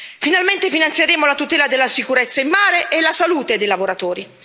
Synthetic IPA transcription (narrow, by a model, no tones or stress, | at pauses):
finalment̪efinant̪sjeɾeːmolat̪ut̪ɛːlad̪elːasikuɾɛt̪sːaimːaːɾeʔːlasaluːt̪ed̪ejlavoɾat̪oːɾi